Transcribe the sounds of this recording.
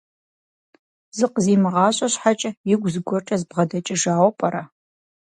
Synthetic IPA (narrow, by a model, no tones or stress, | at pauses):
zɨqziːmɨʁɑːɕʼɐɕħat͡ʃʼɐjɪɡʷzɨɡʷɔʈ͡ʂʼɐzbʁɐdɐt͡ʃʼɪʒaːwʷɔpʼɐɾɐ